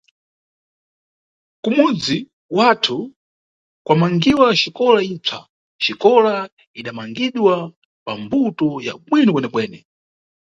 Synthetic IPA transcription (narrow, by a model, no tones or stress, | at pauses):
kumud͡zi | watʰu | kwamaŋɡiwaʃikɔlaib͡ʐʰa̰ | ʃikɔla | iɗamaŋɡiɗwa | pambutɔja̰ɓwinɔkwɛnɛpwɛːnɛ